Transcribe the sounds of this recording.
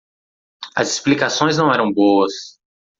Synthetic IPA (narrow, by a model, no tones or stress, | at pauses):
ɐ̰zisplikasõj̃znɐ̃w̃ɛɾɐ̃w̃boɐs